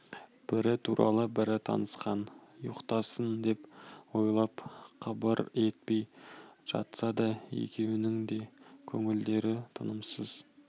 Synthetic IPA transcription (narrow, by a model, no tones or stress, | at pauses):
b̥ɪɾɪt̪ʰuɾʔɑ̰lˠəbɪɾɪt̪ʰɑ̰nəsqɑnjʊqt̪ɑsənd̪e̞pwojlˠɑpqʰɑbəɾe̞t̪̚pe̞jʒ̥ɑ̰t̪sɑd̪ɑjḛkʲe̞wɪnɪŋd̪e̞kʲʰɵŋɪld̪e̞ɾɪt̪ʰənəmsəz̥